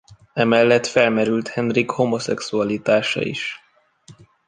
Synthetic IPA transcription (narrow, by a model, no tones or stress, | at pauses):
ɛmɛlːɛt̪fɛlmɛɾylt̪hɛnrikho̞mo̞sɛksuɒlit̪aːʃɒ̰ḭʃ